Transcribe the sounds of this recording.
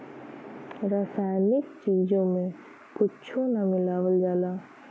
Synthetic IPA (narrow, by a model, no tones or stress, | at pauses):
ɾaːsaːjnɪkt͡ʃiːd͡ʒõmẽ | kʊtːt͡ʃʰõnamɪlaːwəld͡ʒaːlaː